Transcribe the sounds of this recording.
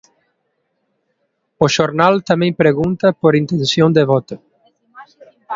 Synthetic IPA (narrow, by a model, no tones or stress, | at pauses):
oʃoɾnalt̪amɛ̃ŋpɾeɣunt̪ɐpoɾint̪ẽnsjõnd̪eβɔt̪o